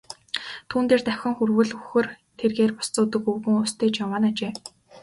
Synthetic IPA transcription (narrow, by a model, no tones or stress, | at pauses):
t̪ʰuːnt̪eːrt̪æwxʲɞ̆ŋxurwɘ̆ɮuxɘ̆r | t̪ʰerɣeːrpʊ̥st͡soːt̪ɘ̆kɵwɣɘ̆ŋust̪ʰeːt͡ɕamaːnat͡ɕeː